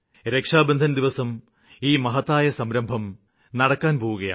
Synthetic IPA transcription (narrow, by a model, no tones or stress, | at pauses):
ɾe̞kʂaːbɐnd̪ʱɐnɐd̪iʋɐsɐm | iːmɐɦɐt̪ːaːjɐsɐmɾɐmbʱɐm | nɐɽɐkːaːnpo̞ːʋuɣɐja̰ː